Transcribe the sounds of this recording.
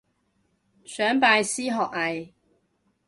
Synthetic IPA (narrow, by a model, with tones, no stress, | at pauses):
sœː˨˥ŋpaː˧jsiː˥ɦɔː˨k̚hɐ˨j